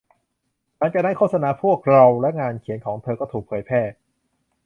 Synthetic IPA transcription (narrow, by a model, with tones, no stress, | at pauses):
taː˧˥ŋt͡ɕa˨˩da˥˩jkʰoː˥˩sa˧naː˨˩˦pʰu˥˩ək̚ɾa˧wlɛ˦˥ŋaː˧nkʰi˨˩˦ənkʰɔː˩˦ŋt̪ʰɤː˧kɔː˥˩t̪ʰuː˨˩k̚pʰɤː˩˦jpʰɛː˥˩